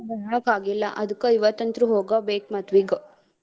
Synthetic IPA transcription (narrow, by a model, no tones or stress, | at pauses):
bɐɾaːkaːɡilːɐ̰ʔɐd̪ukːɐiʋɐt̪ːɐnt̪ɾuɦoːɡabeːk̚mɐt̪ʋiɡo